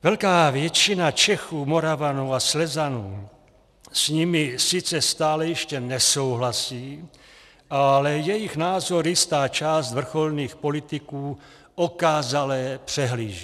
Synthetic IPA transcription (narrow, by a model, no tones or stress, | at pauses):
vɛlkaːvjɛt͡ʃinat͡ʃɛxuːmoɾavanuaslɛzanuː | sɲimisit͡sɛst̪aːlɛjɛʃcɛnɛsowɦlasiː | alɛjɛjiɣnaːzoɾjist̪aːt͡ʃaːst̪vr̩xolniːxpolit̪ikuː | okaːzalɛpr̝̥ɛɦliːʒi